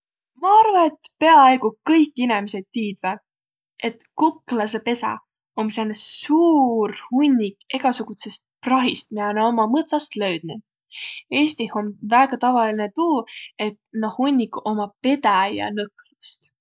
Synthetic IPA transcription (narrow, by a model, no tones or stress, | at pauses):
mɑɑrvɑnet̪ːpe̞ɑeɡukɤjkːˑinemiset̪ʲtːiːd̪̥ve | e̞t̪kuklɑse̞pe̞sɑ̰ | omsenesuːrhunʲːike̞ɡ̥ɑsuɡ̥ut̪se̞st̪̚prɑɦist̪̚miɑneomɑmɤt̪sɑst̪løɥd̪̥nu | e̞ːst̪iho̞nvæːɡ̥ɑt̪ɑvɑlinet̪uːe̞t̪nohunʲːiko̞mɑpe̞d̪̥æjɑ̰nɤklust̪